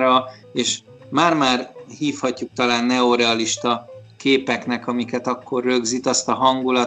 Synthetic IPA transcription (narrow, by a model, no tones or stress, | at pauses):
ɾɒ | eːʃ | maːrmaːrhiːfhɒcːuk̚t̪ɒlaːnːɛo̞ɾɛɒliʃt̪ɒkeːpɛknɛkɒmikɛt̪ɒkːo̞rːø̞ɡzit̪ɒst̪ɒɦɒŋɡulɒ